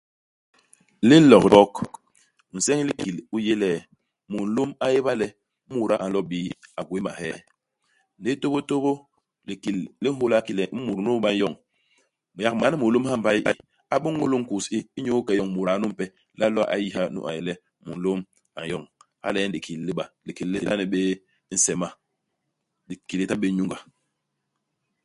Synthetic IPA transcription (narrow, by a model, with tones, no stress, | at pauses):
li˦lɔ˨kdɔ˦k | n̩˨sɛ˦ŋ˦li˦ki˨lu˦je˦lɛː˦˨ | mu˨n̩˨˦lo˦ma˦je˦ba˦lɛ˦ | mu˨ɾa˦ʔa˨n˨lɔ˦ɓiː˨˦a˨ɡwe˦ma̰˨hɛː˦ | n˨de˦to˦bo˦to˦bo˦ | li˨ki˨lli˦ho˦la˦ki˦lɛ˨˦mu˨ɾnu˦ɓa˦n˦jɔ˦˨ŋ | m˨ja˦kma˨ni˦mu˨lo˦mha˦m˦ba˦ji˦ʔa̰˦ | a˨ɓu˦ŋː˦u˦lu˦ŋ̩˦ku˨si˦i˦ɲo˦kɛ˨jɔ˦˨ŋmu˨ɾa˨˦nu˦m̩˦pɛ˦ | la˦lɔ˦a̰˨ʔa̰˨ji˦ha˦nṵ˦ʔa̰˨ji˨lɛ˦ | mṵ˨n̩˨lo˦m | a̰˨jɔ˦˨ŋ | ha̰˦lɛ˦n˦di˨kʰi˨lːi˦ɓa˨li˨ki˨lli˦˨la˦ni˨ɓeː˦ | n̩˦sɛ˨ma˨ | di˨ki˨li˦ta˦ɓe˦ɲu˦ŋɡa˨